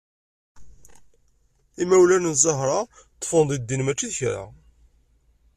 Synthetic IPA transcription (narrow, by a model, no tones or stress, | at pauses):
imæwlænənzˤɑɦɾˤɑ | t̪ˤːfənðˤid̪ːinmæt͡ʃːiðçɾa̰